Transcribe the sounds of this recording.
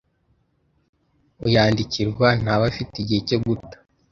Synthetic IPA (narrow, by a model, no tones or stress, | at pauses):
ujaːndiciɾɡwan̥aβafitiɟihecoɡutḁ